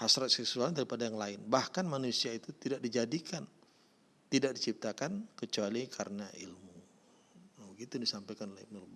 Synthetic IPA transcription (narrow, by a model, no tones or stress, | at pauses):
hasɾat̪̚sɛksualdaɾipadajaŋlaɪnbahkanmanusiait̪ut̪idaʔ̚did͡ʒadikʰan | t̪idaʔ̚dit͡ʃip̚t̪akankət͡ʃualikʰaɾənaʔḭlmu | aəɡit̪udisampajkanlaipənuluba